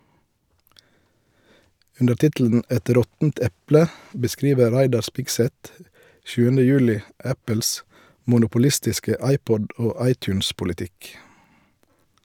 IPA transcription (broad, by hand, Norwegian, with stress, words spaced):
ˈʉndə ˈtɪtl̩n̩ ˈɛt ˈɾɔtn̩t ˈɛplə bəˈskɾiːʋə ˈɾæɪdɑ ˈspɪɡˌsɛt ˈʃʉːənə ˈjʉːlɪ ˈæpəls mʊnʊpʊˈlɪstɪskə ˈɑɪˌpɔd ˈoː ˈɑɪˌtʉːnspʊlɪˌtɪk